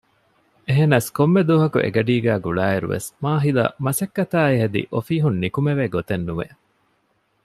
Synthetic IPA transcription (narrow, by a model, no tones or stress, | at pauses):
eɦenɐskomːed̪uːɦɐkṵʔḛɡɐɖiːɡæːɡuɭaːeɾṵʋḛsmaːɦilɐ̰mɐsɐkːɐt̪aːiɦɐd̪ḭʔofiːɦunːikumeʋeːɡot̪enːuʋḛ